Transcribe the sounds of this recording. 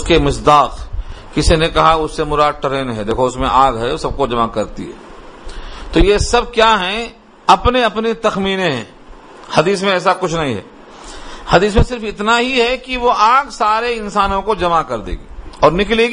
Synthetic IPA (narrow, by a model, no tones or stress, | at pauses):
ʊskemɪsd̪aːqkɪsinekɐɦaʊsːemʊɾaːʈəɾeːnɦɛd̪eːkʰoʊsmẽʔaːɡɦɛsɐb̚kod͡ʒɐmakɐɾt̪ḭɦɛ̰ː | t̪oːjesɐb̚kjaːɦɛ̃ | ɐpneɐpnit̪ɐxmiːnẽɦɛ̰̃ː | hɐd̪iːs̬mẽɛːs̬akʊt͡ʃʰnɐɦĩɦɛ̰ | hɐd̪iːs̬mẽsɪɾfɪt̪naɦiɦɛkiʋoʔaːɡsaːɾeɪ̃nsaːnõkod͡ʒɐmakɐɾd̪ḛːɡiːɔːɾnɪkleːɡ